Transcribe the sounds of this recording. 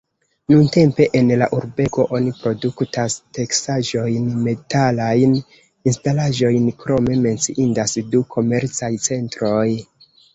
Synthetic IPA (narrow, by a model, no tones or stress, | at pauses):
nunte̞mpe̞ʔenlaʔuɾbe̞ko̞ʔo̞nipɾo̞duktaste̞ksaʒo̞jnme̞talajn | instalaʒo̞jnkɾo̞me̞me̞nt͡siʔindasdukʰo̞me̞ɾt͡sajt͡se̞ntɾo̞j